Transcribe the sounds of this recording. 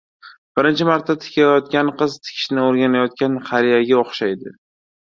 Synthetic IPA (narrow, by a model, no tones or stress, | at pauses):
b̥ɪɾɪnt͡ʃʰɪmaɾt̪ʰːat̪ʰɪ̥kʲʰajɒt̪̚kʲanqɨzt̪ʰɪ̥kʲʰɪ̥ʃnɪoɾɡʲanajɒt̪̚kʲanχaɾijaɡʲaoχʃajd̪ɪ